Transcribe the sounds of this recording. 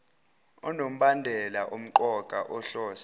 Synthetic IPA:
ɔnom̩ɓandʱɛlaʔum̩ǃɔkʼaʔɔɬɔːsḁ

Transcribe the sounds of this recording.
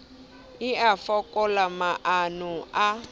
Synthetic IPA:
iafɔkʼɔlamaʔanua

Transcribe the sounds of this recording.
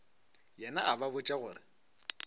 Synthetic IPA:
jɛnaʔababʊt͡ʃʼaɣʊːrɪ

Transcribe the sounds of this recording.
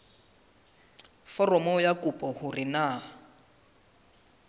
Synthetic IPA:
fɔrɔmɔjakupʼɔhʊrɪna

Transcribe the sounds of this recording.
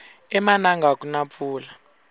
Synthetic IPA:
ɛmanaŋɡak̬ʼunap̪fuːla

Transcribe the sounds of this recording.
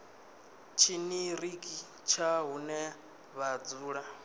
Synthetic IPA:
t͡ʃʰiniɾikʼi | t͡ʃʰaɦunɛ | βad͡zuːɺa

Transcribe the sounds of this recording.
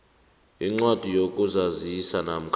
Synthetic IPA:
iŋ͡ǀwad̥ʱijokʼuzazisanam̩kʰ

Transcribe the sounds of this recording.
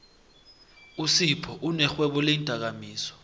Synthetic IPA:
usipʰɔʔunɛxwɛɓɔlintʼak̬amiːsɔ̥

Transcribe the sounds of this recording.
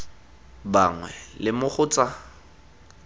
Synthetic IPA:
baŋwɛlɪmʊχʰʊːt͡sʼa

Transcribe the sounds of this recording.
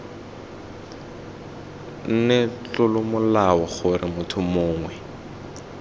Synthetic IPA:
n̩nɛt͡ɬʊlʊmʊlaɔχʊrɪmʊtʰʊmʊːŋwɛ

